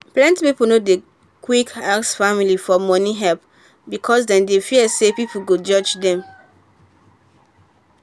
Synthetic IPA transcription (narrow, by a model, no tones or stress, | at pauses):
plɛ̃ntpipulnode | kwikaksfamilifɔmɔniɦɛlp | bikʰɔsdɛ̃ndefiəsepipuɡod͡ʒɔd͡ʒdɛ̃m